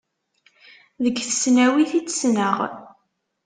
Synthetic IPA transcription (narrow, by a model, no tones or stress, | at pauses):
ðəɡθə̥snæwiθit͡sːsnəʁ